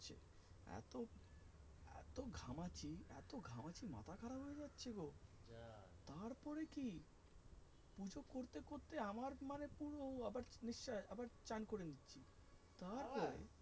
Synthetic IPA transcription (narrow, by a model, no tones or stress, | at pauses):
ɕʰḛ | ɛ̰t̪o | ɛ̰t̪oɡʱamat͡ɕiɛ̰t̪oɡʱamat͡ɕima̰t̪ʰakʰaɾaɦojed͡ʑatːɕʰeko | t̪aɾpɔɾeki | pud͡ʑokːoɾt̪ekoɾt̪eamaɾmanepuɽoabaɾniʃːaabaɾt͡ɕankoɾenitːɕʰi | t̪aɾpɔɾḛ